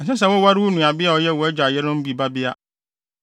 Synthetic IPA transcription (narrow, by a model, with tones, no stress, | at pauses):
sɛ̃˦s̬a˨wʊ˦wa˦ɾɪ˦wʊ˦nũ˨a˨bɪ˦a˨ɔ˨˦jɛ˦˨wɔ˨ɛ˦d͡ʑᶣa˨jɛ˦ɾʊ̃˦m̩˦bi˨ba˦bɪ˦a˦